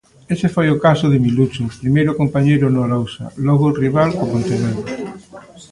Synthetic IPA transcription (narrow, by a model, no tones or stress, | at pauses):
esɪfojʊkasʊðɪmilut͡ʃʊpɾimejɾʊkompaɲejɾʊnoalowsɐ̰lɔɣoriβalkopont̪enan